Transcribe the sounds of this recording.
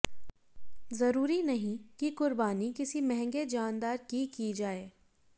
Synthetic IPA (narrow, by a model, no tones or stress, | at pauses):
zɐɾuːɾinɐɦĩkikʊɾbaːnikɪsimɛɦɛ̃ŋɡed͡ʒaːnd̪aːɾkikid͡ʒaːeː